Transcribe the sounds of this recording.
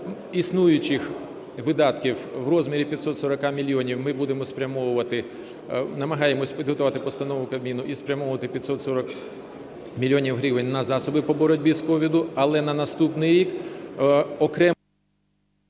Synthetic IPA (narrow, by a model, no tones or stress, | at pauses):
isnujʊt͡ʃɪx | ʋɪd̪ɑt̪kʲiwʋrɔzmʲiɾʲipʲjɐt̪sɔt̪sɔɾɐkɑmʲilʲːiɔnʲiwmɪbud̪emɔspɾʲɐmɔwʊʋɐt̪ɪ | nɐmɐɦɑjemɔsʲpʲid̪ɦɔt̪ʊʋɑt̪ɪpɔst̪ɐnɔʋʊkɐmʲinʊʔispɾʲɐmɔʋʊʋɐt̪ɪpʲjɐt̪sɔt̪sɔɾɔk | mʲilʲːjɔnʲiwɦɾʲiʋenʲnɐzɑsɔbɪpɔbɔɾɔtʲbʲizkɔʋʲid̪ʊɐlˠɛnɐnɐst̪upnɪjɾʲik | ɔkɾɛ